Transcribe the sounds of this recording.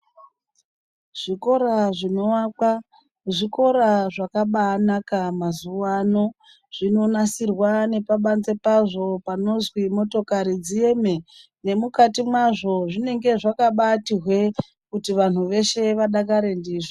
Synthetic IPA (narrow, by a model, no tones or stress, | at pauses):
ʐ̥iko̞ɾaʐino̞wakwa | ʐiko̞ɾaʐakaɓaːnakamazuwano̞ | ʐ̥ino̞nasirwane̞paɓanze̞paʐo̞pano̞zwimo̞to̞kaɾid͡zie̞me̞ | ne̞mukatimwaʐo̞ʐine̞ŋɡe̞ʐakaɓatiɦwe̞ | kutiʋan̤uʋe̞ʃe̞ʋaɗakaɾe̞ndiːʐo